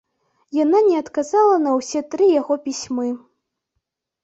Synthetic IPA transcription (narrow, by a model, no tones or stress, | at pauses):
jananʲɛɐt̪kazalˠɐnɐwsʲɛt̪ɾɨjaɣɔpʲisʲmɨ